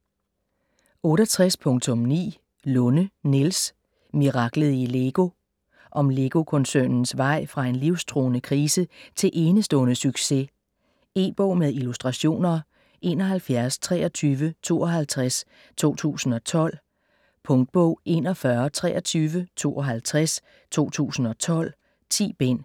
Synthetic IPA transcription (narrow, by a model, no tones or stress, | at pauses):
ɔ̽ːɾɐt͡sʰʁaspʰɔ̽ŋt͡sʰɔ̽mnḭː | lɔnənils | miʁɑ̈ɡ̥ləð̩ˠile̝ɡ̥o̝ | ʔɒ̽mle̝ɡ̥o̝kʰɔ̽nsønn̩sʋɑ̈ɪ̰fʁɑ̈e̝nliʊst͡sʰʁo̝̰ːnəkʰʁiːsət͡sʰe̝lʔe̝ːnəsd̥ɔ̽ːnəsyɡ̥se̝ | e̝̰b̥ɔ̰ʊ̰meðˠilusd̥ʁɑ̈ɕo̝̰ːnɐ | ʔe̝̰ːnɒ̽ɦælfjæɐst͡sʰʁɛ̰ːɐ̽t͡sʰyːʋət͡sʰo̝̰ːɒ̽ɦælt͡sʰʁas | t͡sʰo̝̰ːt͡sʰṵːsn̩ɒ̽t͡sʰɒ̽l̰ | pʰɔ̽ŋd̥̚b̥ɔʊ̰e̝̰nɒ̽fɶːɐt͡sʰʁɛːʔɐt͡sʰyːʋət͡sʰo̝̰ːɒ̽ɦælt͡sʰʁas | t͡sʰo̝̰ːt͡sʰṵːsn̩ɒ̽t͡sʰɒ̽l̰ | t͡sʰḭːb̥en̰